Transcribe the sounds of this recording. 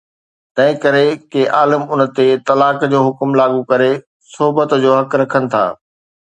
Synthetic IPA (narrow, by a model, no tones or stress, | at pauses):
t̪ɐ̃ɦɪ̃kɐɾekeʔaːləmʊnət̪et̪ɐlaːkd͡ʑoːɦʊkmlaːɡukɐɾe | sʊɦbət̪d͡ʑoːɦɐkɾɐkʰənɪ̆t̪ʰa̰ː